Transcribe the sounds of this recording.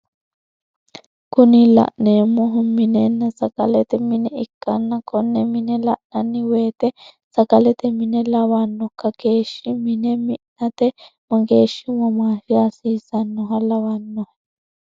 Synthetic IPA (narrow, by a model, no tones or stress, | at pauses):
kʊnɪlɐ̰ʔneːmːɔɦʊmɪnenːɐsɐkʼɐ̰lɛt̪ɛmɪnɛɪkːɐnːɐkɔnːɛmɪnɛlɐʔnɐnːɪweːt̪ɛ | sɐkɐlɛt̪ɛmɪnɛlɐβɐnːɔkːɐke̞ːʃːɪmɪnɛmɪʔnɐt̪ɛmɐɡeːʃːɪmɐmaːfɪɐsiːsɐnːɔɦɐlɐwɐnːɔhɐ